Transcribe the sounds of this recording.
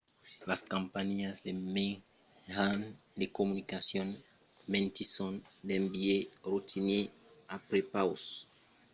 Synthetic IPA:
laskampaɲiazd̪eme | han | d̪ekomunikasjon | mẽnt̪isond̪embieɾut̪ʰine | apɾepaws

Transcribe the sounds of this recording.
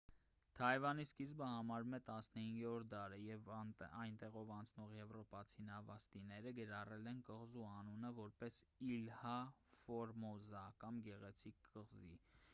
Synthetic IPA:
t̪ʰɑɛvɑniskizbəhɑmɑɾumɛt̪ɑsnəhiŋɡɔɾd̪ɑɾəjɛvɑjnt̪ɛʁɔvɑnt͡sʰnɔʁjɛvɾɔpɑt͡sʰinɑvɑst̪inɛɾəɡəɾɑrɛlɛnkəʁzuɑnunəvɔɾpɛsilhɑfɔɾmɔzɑkɑmɡɛʁɛt͡sʰikːəʁzḭ

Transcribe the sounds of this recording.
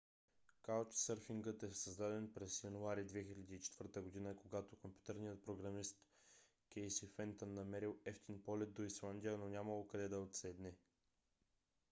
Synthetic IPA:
kalt͡ʃsəɾfiŋɡət̪ɛsəzd̪ad̪ɛnpɾɛsjɐnuaɾid̪vɛxilʲɐd̪iːt͡ʃɛ̥t̪vɤɾt̪əɡod̪inəkoɡat̪okompʲju̥t̪ɛɾnijət̪̚pɾoɡɾɐmist̪ | kʲɛjsifɛnt̪ənːɐmɛɾilˠɛft̪inpɔlʲɛt̪̚d̪oislˠand̪ʲijənonʲaməlˠokɐd̪ɛd̪ɐot̪sɛd̪nɛ

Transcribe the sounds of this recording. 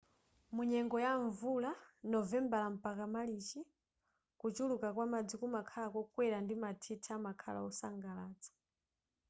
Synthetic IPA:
muɲɛŋɡɔjaɱvulanɔvɛmbalam̩pakamalit͡ʃi | kut͡ʃulukakwamad͡zikumakʰalakɔkwɛɾandimatʰitʰaamakʰa̰la̰ɔsaŋɡalaːt͡sɔ̥

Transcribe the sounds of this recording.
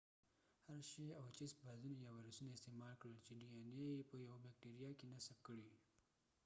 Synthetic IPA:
haɾʃeawat͡ʃisbazunajawaɾasunaɪst̪emɑlkɽəlt͡ʃeɖijɑnijajepəjawabak̚ʈeɾijakenasab̚kəɽi

